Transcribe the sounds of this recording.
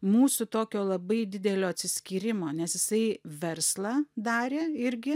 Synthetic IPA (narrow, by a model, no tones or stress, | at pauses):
muːsʊt̪oːkʲoːlˠɐbɐɪd̪ʲɪd̪ʲɛlʲoːɐt̪ʲsʲɪsʲkʲiːɾʲɪmoːnʲɛsjɪsɐɪʋʲɛrslˠɑːd̪ɑːɾʲeːɪɾʲɡʲɪ